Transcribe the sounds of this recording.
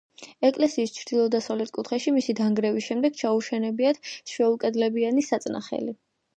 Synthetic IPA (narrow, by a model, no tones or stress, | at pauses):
ɛkʼlɛsiːst͡ʃʰɾd̪̥ilˠɔd̪asavlɛt̪̚ʰkʼut̪ʰχɛʃimisid̪aŋɡɾɛvisʃɛmd̪ɛɡ̥t͡ʃʰauʃɛnɛbiat̪ʃwɛulˠkʼɛd̪lɛbianisat̪sʼna̰χɛ̰li